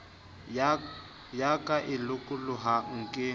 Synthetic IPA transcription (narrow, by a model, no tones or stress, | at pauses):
jakʼaʔɪlʊkʼʊlʊɦaŋ̩kʼɪ